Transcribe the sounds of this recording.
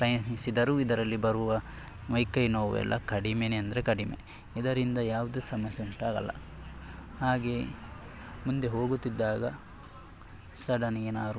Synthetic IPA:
pɾɐjɐnisid̪ɐɾuːid̪ɐɾɐlːibɐɾuʋɐ | ʋɐjkɐjnoːʋɛ̰lːɐ̰kɐɽimeneɐnd̪ɐɾekɐɽimḛ | id̪ɐɾind̪ɐjaːʋud̪esɐmɐsjeuɳʈaːɡɐ̰lːɐ̰ | haːɡeː | mund̪e̞ɦoːɡut̪ːid̪ːaːɡɐ̰ | sɐɽɐniɡenaːɾu

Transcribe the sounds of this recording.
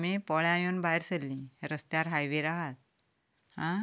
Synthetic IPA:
mipɔɭjãjuːnbajɾsəlːĩɾəst̪jaɾɦajʋeɾaɦat̪̚ | hã

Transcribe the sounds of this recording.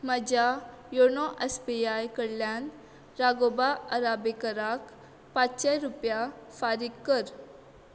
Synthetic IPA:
məd͡ʑa | joɳɔʔespiajkəɽljan | ɾaɡobaəɾabekəɾak | pat͡sɕajɾupjafaɾikːəɾ

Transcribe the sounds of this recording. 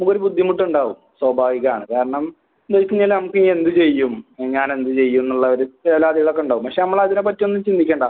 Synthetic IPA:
nɐmukːoɾubud̪ʱːimuʈːuɳɖaːʋumswɐbʱaːʋiɣɐaːɳɨkaːɾɐɳɐm | d̪ekːiɲːaːlnɐmukːɨe̞nd̪ɨt͡ɕe̞jːumɲaːne̞nd̪ɨt͡ɕe̞jːunːuɭːɐɐɾueːlaːd̪iɣɐɭokːeuɳɖaːʋumpɐkʂenɐmːɐɭɐðinep̬ɐtːijo̞nːumt͡ɕind̪ʱikʲːeːɳɖaː

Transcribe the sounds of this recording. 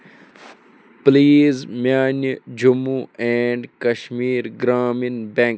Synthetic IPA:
pliːzmaːnd͡ʒumuɛɳɖkɐʃmiːɾɡɾaːminbɛ̃ŋk

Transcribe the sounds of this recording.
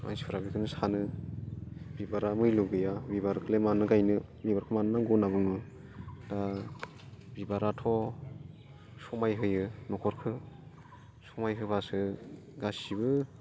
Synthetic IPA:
mʔa̰jspʰɯɾabikʰɯnɯsanɯ | bibaɾamɯjluɡɯjabibaɾkʰɯlemanɯɡajnɯbibaɾkʰɯmanɯnaɡɔnabɯŋɯ | d̥a | bibaɾatʰɔ | sɔmajɦɯjɯnɔkʰɔɾkʰɯ | sɔmajɦɯbasɯ | ɡasibɯ

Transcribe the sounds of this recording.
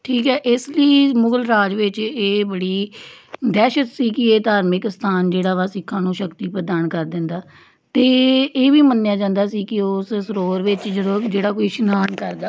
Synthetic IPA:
ʈʰiːkɦɛːʔɪsləiːmʊɡəlɾaːd͡ʒʋɪt͡ʃeːbəɽiː | d̪ɛːʃət̪siːkɪeːt̪aːɾmɪkst̪ʰaːnd͡ʒeːɽaːʋaːsɪkʰːãːnũːʃəkt̪iːpəd̪aːnkəɾd̪ɪ̃nd̪aː | t̪eːeːʋiːmənːjaːd͡ʒãːnd̪aːsiːkɪʊssəɾoːɾʋɪt͡ʃd͡ʒəd̪õːd͡ʒeːɽaːkoːiːʃənaːnkəɾd̪aː

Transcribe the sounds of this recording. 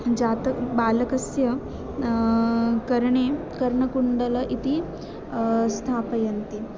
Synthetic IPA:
d͡ʒaːt̪ɐbaːlɐkɐsjɐ | kɐɾɐɳe | kɐɾɐɳɐkuɳɖɐlɐʔit̪i | st̪ʰaːpɐjɐnt̪i

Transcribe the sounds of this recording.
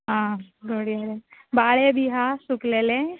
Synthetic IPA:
ɦãɡʱoɽijaɾebaɭebʱiɦasuklele

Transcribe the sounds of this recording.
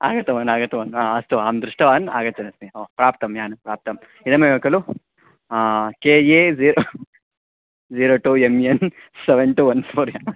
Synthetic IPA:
a̰ːɡɐt̪ːɐʋaːnaːɡɐt̪ːɐʋaːnaɐst̪uaːmd̪ɾuʂʈɐʋaːna̰ːɡɐt̪ːt͡ʃɐnɐsmeoːpɾaːp̚t̪ɐmjaːnɐpɾaːp̚t̪ɐm | id̪ɐmejeːkɐlu | keːjeːziːɾo | ziːɾoːʈuːemjen | seʋeɳʈuʋɐnsfuɾjaːnu

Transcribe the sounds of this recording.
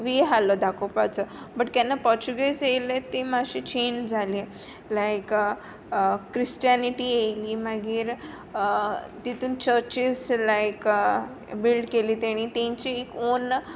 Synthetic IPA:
ʋiɦalɔd̪akopat͡sə | bəʈt̪janːapɔɾt͡ɕuɡesejlet̪emaɕit͡ɕend͡zʱali | lajk | kɾist͡ɕianiʈijejliːmaɡiːɾ | t̪it̪uːnt͡ɕəɾt͡ɕislajk | bilɖkeliːt̪aɽ̃it̪ẽɲt͡ɕiːkon

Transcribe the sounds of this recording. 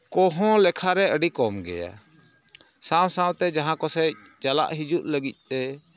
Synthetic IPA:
kɔɦɔ̃lɛkʰaɾɛəɖikɔmɡɛ̰ja̰ | sãwsãwt̪ɛd͡ʒaɦãkɔsɛc̚ | t͡ʃala̰ʔɦid͡ʒuʔləɡic̪̚t̪ɛ

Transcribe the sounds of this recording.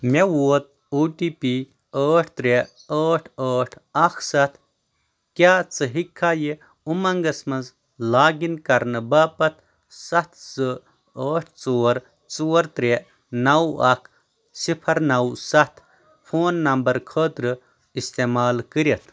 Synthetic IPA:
mewoːt̪̚ | oːʈiːpi | əːʈʰt̪ɾeəːʈʰəːʈʰɐkʰsɐt̪ʰ | kʲjaːt͡sɨɦikʰːaːji | umɐŋɡɐsmɐnz | laːɡinkɐɾnɨbaːpɐt̪ʰ | sɐt̪ʰsɨ | əːʈʰt͡soːɾ | t͡suːɐɾt̪ɾe | nɐwɐkʰ | sipʰɐɾnɐwsɐt̪ʰ | pʰoːnːɐmbɐɾkʰəːt̪ɾɨ | ist̪eːmaːlkəɾit̪ʰ

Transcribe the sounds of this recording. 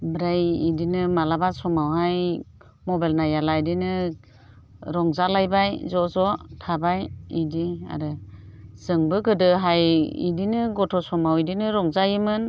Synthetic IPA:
bɾajḭdinɯmalabasɔmawɦaj | mɔbalnajalajdinɯ | ɾɔŋzalajbajzɔzɔtʰabajidia̰ɾɯz̥ɯŋbɯɡɯdɯɦajḭdinɯɡɔtʰɔsɔmawidinɯɾɔŋzajimɯn

